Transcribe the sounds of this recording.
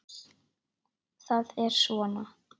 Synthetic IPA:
θaðɛɾ̥svɔːna

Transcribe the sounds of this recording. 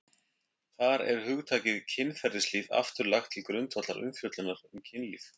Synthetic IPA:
θaɾɛ̰ɾhʏɣt̪ʰaːcɪðcʰɪnːfɛɾðɪsliːða̰ft̪ʏɾlaxt̪ʰːɪlkɾʏnt̪vat̪laɾʔʏ̰mfjœt̪lʏnːaɾ̥ɛmcʰɪnlḭθ

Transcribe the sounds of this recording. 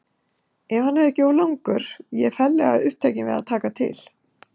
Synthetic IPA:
ɛmhanːɛɾɛhcɪɔwlawŋkʏɾ̥jɛfɛlːɛɣa̰ʏhp̚t̪ʰejcɪnvɪ̰ða̰ðt̪ʰaːkat̪ʰɪ̰l̥

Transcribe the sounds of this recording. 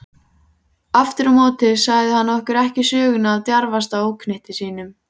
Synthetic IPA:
aft̪ɪɾamoːt̪ɪðsaɣðɪhanːaɔhkʏɾɛhcɪsœːɣʏnaːðt̪jaɾvast̪aoːwkʰnɪht̪ɪsiːnʏm

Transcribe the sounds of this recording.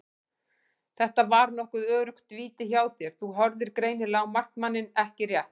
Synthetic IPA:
θɛht̪avaɾnɔhkʏðœːɾʏxt̪viːt̪ɪçaːwθjɛɾ̥θuɦɔɾðɪɾ̥kɾeːjnɪlawmar̥knmanːɪnɛhcɪrjɛht̪

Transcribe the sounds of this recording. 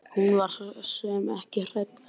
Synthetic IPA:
hunvaɾ̥sɔsœmɛhcɪr̥et̪

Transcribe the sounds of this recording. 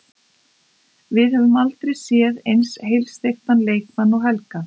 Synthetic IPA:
vɪðhɛvɪmalt̪ɾejsjɛðejnshejlst̪ext̪anleːjkmanːɔɣɦɛlka

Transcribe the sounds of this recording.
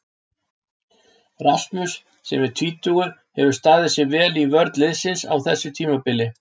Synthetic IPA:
ɾast̪mʏsː | ɛmɛɾ̥t̪ʰviːt̪uɣʏɾ̥hɛvʏɾ̥st̪aːðɪsɛvɛːlivœɾt̪lɪðsɪnsa̰wθɛsːʏt̪ʰiːmapɪlːɪ

